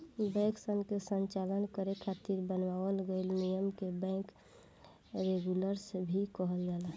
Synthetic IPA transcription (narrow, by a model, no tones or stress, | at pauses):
bɛ̃ksəŋɡkesənt͡ʃalənkəɾekʰat̪iɾbənʋawəlɡəɪlnijəmkebɛ̃k | ɾeɡuləɾsbʱikəɦəld͡ʒaːla